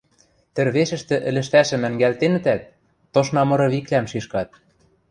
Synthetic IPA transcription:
t̪ɘ̆rβeʃɘ̆ʃt̪ɘ̆ʔɘ̆lɘ̆ʃt̪æʃɘ̆mæ̆ŋɡælt̪enɘ̆t̪æt̪̚ː | oʃnɑmɤ̆ɾɤ̆βiklæmʃiʃkɑt̪̚

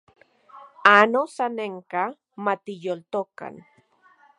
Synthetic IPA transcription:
anosaneŋka | mat̪ijolt̪oka̰n

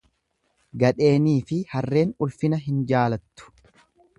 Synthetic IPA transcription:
ɡɐᶑe̞ːniːfɪhɐrːe̞ːnʊlfɪnɐɦɪnd͡ʒaːlɐt̪ːʊ̥

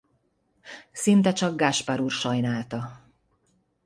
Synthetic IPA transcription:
sint̪ɛt͡ʃɒɡɡaʃpaɾuːrʃɒjnaːlt̪ɒ

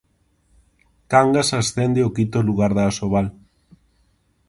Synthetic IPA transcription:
kaŋɡasasθend̪eokit̪oluɣaɾðaːsoβal

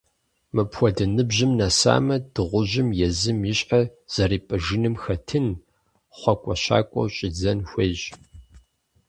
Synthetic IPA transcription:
mɨpxʷɔdɐnɨbʑɪmnaːsa̰ːmɐdɨʁʷʊʑɪmjɛzɨmjɪɕʼħaz̥ɐriːpʼɨʒɨnɨmxɐtʰɨn | χʷɔkʷʼɔɕa̰ːkʷʼɔ̰wɕʼɪd͡zɐnxʷeʑ

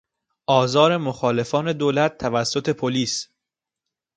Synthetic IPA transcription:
ʔɒːzɒːɾe̞moxɒːle̞fɒːne̞d̪oːlæt̪̚ʰːævæsːo̞t̪ʰe̞pʰoliːs

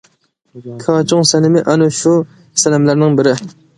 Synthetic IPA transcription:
kʰɑːt͡ʃʰʊŋsɛnɪmɪʔɑnuʃu | sɛlɪmlæɾnɪŋbɪɾɪ

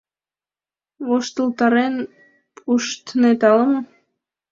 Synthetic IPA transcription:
βoʃt̪əlt̪ɑɾen | pʰuʃt̪net̪ɑləmo

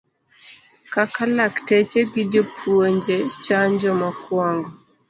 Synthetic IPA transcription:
kakalaktɛt͡ʃɛɡidɔpʰuɔɲd͡ʒɛt͡ʃaɲd͡ʒɔmakwaŋɡɔ

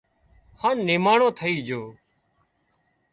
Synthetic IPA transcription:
haːnːeːmaːɳõːt̪ʰəiːd͡ʒoː

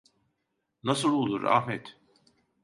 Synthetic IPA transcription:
nasɯlˠulˠd̪ṵɾa̰hmɛt̪

